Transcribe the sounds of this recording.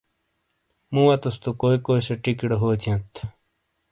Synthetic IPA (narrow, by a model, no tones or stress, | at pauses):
mũwɐt̪ɐst̪ukoːikoːisɐʈikiɽɐɦoːt͡ɕ̪ʰiẽt̪ʰ